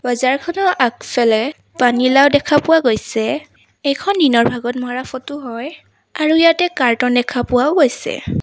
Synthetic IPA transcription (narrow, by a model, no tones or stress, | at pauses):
bazaɹkʰɔnɔʔakfʰɛlɛ | panilawdɛkʰapʊwaɡojsɛ | ejkʰɔndinɔɹbʱaɡɔtmaɹafɔtʊɦɔj | aɹujatɛkaɹtɔndɛkʰapʊwaʊɡojsɛ̰